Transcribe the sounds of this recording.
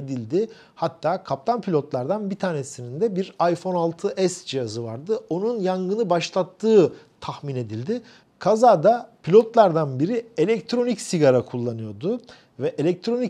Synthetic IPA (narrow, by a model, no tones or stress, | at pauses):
ed̪ilʲd̪ɪ | hat̪ʰːaːkʰap̚t̪ʰanpʰilʲo̞t̪lˠaɾd̪anbit̪ʰaːne̞sinind̪ɛbiɾajfo̞nalˠt̪ʰɯʔɛsd͡ʒijazɯvaɾd̪ɯo̞nunjaŋɡɯnɯbaʃlˠat̪ʰːɯː | t̪ʰaxmine̞d̪ilʲd̪ɪ | kʰazaːd̪apʰilʲo̞t̪lˠaɾd̪anbiɾie̞lʲɛct̪ʰɾo̞nicsiɡaɾakʰulˠːanɯjo̞d̪ʊ | vɛʔe̞lʲɛc̚t̪ʰɾo̞ni